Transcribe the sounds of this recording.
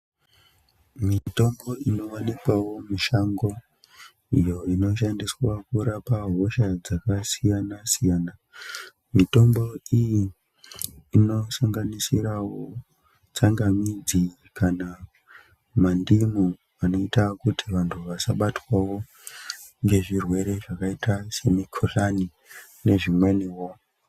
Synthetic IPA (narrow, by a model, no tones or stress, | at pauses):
mito̞mbo̞ino̞ʋanikwawo̞miʃaŋɡo̞ | ijo̞ino̞ʃandiswakuɾapaɦo̞ʃad͡zakasijanasijaːna | mito̞mbo̞ijiː | no̞saŋɡanisiɾawo | t͡saŋɡamid͡zi | kana | mandimu | ano̞itakutʰiʋantʰuʋasaɓatwawo̞ | ŋɡe̞ʐirwe̞ɾe̞ʐakaitase̞mikʰoɬani | ne̞ʐimweniwo